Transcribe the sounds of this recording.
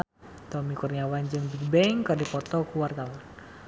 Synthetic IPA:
t̪ɔmikurniawand͡ʒɨŋbik̚bɛŋkərdipɔt̪ɔkuwart̪awan

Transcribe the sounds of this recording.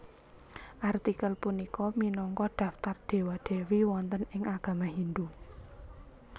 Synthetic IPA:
ʔart̪ikəlpunikɔminɔŋkɔd̪̥ä̤ft̪ard̪̥e̤wad̪̥ewiwɔnt̪ənɪŋaɡ̥ä̤maɦind̪u

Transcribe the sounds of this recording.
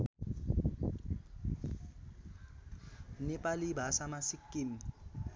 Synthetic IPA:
nɪpʼalɪbasamasikːɪm

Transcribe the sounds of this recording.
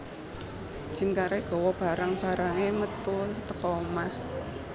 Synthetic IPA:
ʒ̥i̤mkaɾeɡ̥ɔ̤wɔb̥a̤ɾaŋb̥a̤ɾaŋemət̪ut̪əkɔmah

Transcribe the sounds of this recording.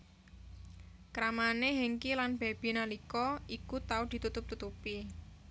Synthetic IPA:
kɾamaneɦeŋkilanb̥e̤b̥inalikɔikut̪aʊd̪̥i̤t̪ut̪ʊp̚t̪ut̪upi

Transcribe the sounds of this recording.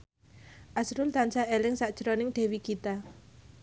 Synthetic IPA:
ʔasɾʊlt̪ant͡ʃaʔelɪŋsaʔd̥ʒ̥əɾonɪŋɖ̪̥e̤wikit̪a

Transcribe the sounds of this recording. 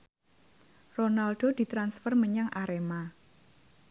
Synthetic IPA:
ronalɖ̥od̪̥i̤t̪ɾansfərməɲaŋʔaɾema

